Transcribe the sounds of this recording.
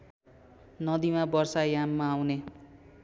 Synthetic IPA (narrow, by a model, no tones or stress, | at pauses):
nʌd̪imabʌrsajamːaːwne